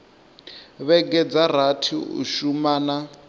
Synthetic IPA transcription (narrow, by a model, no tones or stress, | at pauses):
βɛɡɛd͡zar̤atʰḭṵʃumaːna